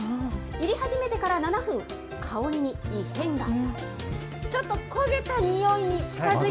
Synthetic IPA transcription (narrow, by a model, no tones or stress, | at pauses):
iɾʲihaʑime̞t̪e̞kaɾananaɸɯ̟̃ŋ | kʰao̞ɾʲiɲ̟iiːhẽ̞ŋɡa | t͡ɕo̞t̪ːo̞koɡe̞t̪aɲ̟ijo̞iɲ̟it͡ɕi̥kazɨ